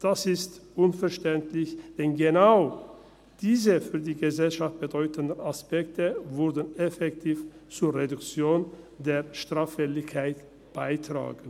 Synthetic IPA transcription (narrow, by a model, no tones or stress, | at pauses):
d̥asɪstʔʊnfɛɐʃtɛntlɪçd̥ɛnɡənaʊ | d̥iːzəfyːɐdiːɡəzɛlʃaft̚b̥ədɔʏtʰəndəaspɛktəvʊɾdən̩ɛfɛktʰiːft͡suːɐʁedʊkt͡sjoːn | deːɐʃtʁ̥aːfɛlɪçkʰaɪt | b̥aɪtʁ̥a̰ːɡn̩